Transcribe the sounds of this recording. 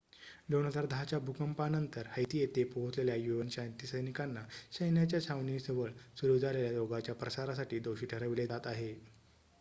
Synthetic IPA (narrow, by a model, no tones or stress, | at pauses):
lonəd̪aɾd̪ʱat͡ɕjabʱukəmpanənt̪əɾhəjt̪ijet̪epoɦot͡sleljajuʋənsajnt̪isəjnikanːaɕəjnjat͡ɕjat͡ɕʰaʋniːsəʋəɭsuɾud͡z̪ʱaleljaɾoɡat͡ɕjapɾəsaɾasaʈiːd̪owɕiːʈʰəɾəʋiled̪at̪aɦe